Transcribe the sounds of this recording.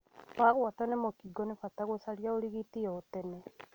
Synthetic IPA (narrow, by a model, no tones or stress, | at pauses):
βaɣwatɔnemokiɡɔnefataɣosaɾjaoɾiɣitijɔotɛnɛ